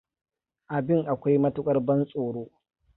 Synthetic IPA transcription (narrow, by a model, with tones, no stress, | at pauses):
ʔa˨bɪ˦ŋʔa˨kʷa˦jmɐ˦tʊ˦kʼɐ˦rbɐ˦nsʼoː˨ɽoː˦